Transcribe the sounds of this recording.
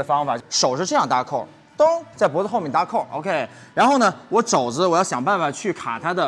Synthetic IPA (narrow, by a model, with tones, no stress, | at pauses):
ə˩fɑ˥ŋfa˨˩t͡ɕʂo˨˩ʊʂɻ̩˥˧ʈ͡ʂɤ˥˧jɑ˥˧ŋt̪a˥˩kʰo˥˩ | t̪ʊ˥ŋt͡sa˥˩ɪpwɔ˧˥zə˧xo˥˧ʊmɛ˥˩nt̪a˧˥kʰo˥˩ʔo̰˧kʰe˥ɪɻa˧˥nxo˥˩ʊnə˩wɔ˧˥ʈ͡ʂo˨˩ʊd͡zə˦wɔ˨˩jɑ˥˩ɕjɑ˨˩ŋpa˥˩nfa˨˩t͡ɕʰy˥˩kʰa̰˨˩t̪ʰa˥d̪ə˨